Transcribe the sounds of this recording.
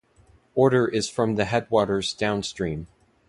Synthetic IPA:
ɔɹɾə˞ʔɪz̥fɹʌ̃mðɨɦɛd̚wɔɾə˞zdãʊ̃nstɹ̥ĩm

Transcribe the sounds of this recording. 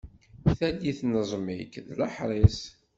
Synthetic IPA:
θæljiθnəzˤmikðləħɾˤɪs

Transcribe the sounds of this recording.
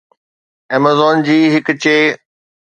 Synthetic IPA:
eːmazɔːnd͡ʑiːɦɪkʊt͡ɕeː

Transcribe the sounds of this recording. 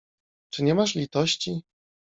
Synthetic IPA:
t͡ʂɘɲɛmaʂlʲit̪ɔɕt͡ɕi

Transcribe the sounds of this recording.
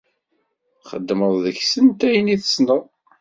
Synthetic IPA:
χə̰d̪ːməðˤðəçsənt̪æjəniθə̥snəʁ

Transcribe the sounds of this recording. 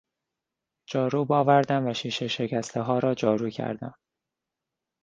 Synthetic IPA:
d͡ʒɒːɾuːbɒːvæɾd̪æmvæʃiːʃe̞ʃe̞cæst̪ʰeɦɒːɾɒːd͡ʒɒːɾuːcʰæ̰ɾd̪æ̰m

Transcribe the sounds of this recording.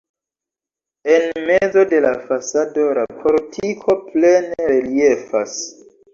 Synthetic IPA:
e̞nmed͡zo̞de̞lafasado̞lapʰoɾtʰikʰo̞pleneɾelie̞fa̰s

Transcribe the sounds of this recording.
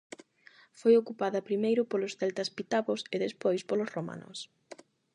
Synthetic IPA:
fojokupaðɐpɾimejɾʊpolosθɛlt̪ɐspit̪aβoseðespojspolosroma̰nʊ̰s

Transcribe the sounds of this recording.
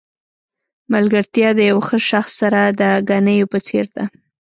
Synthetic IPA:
malɡəɾt̪jɑd̪əjawxəʃaxsːaɾad̪əɡanəjopət͡seɾd̪a

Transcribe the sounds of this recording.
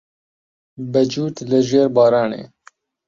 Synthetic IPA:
bɛd͡ʒuːt̪lɨʒeːɾbɑːɾɑːnḛː

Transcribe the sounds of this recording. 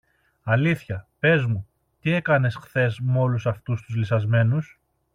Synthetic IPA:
ɐliθçɐpe̞zmu | t̪ie̞kɐne̞sxθe̞zmo̞lusɐft̪ust̪uzlisɐzme̞nus

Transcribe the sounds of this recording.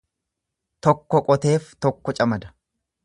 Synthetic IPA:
t̪ɔkːɔkʼɔt̪e̞ːft̪ɔkːɔt͡ʃʼɐmɐd̪ɐ̥

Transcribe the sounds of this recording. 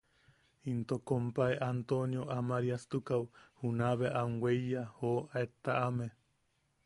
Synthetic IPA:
int̪okompaeʔant̪onjoʔamaɾiast̪ukawhunaβeʔaŋwejjahoaet̪aʔame

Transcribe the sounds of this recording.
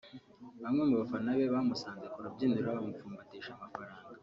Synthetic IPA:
βamŋe̞muβafanaβe̞βamusaːnzekuɾabɟiːnduɾɾaβamufuːmbatiːʃamafaɾaːŋɡa

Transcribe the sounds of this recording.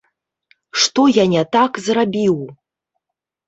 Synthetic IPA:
ʂt̪ojanʲɛt̪akzrabʲiw

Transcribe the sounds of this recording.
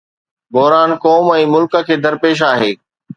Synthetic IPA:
bɔɦɾaːnkɔːmɛ̃ːmʊlkə̆kʰeːd̪ɐɾpeːʃ̬aːɦeː

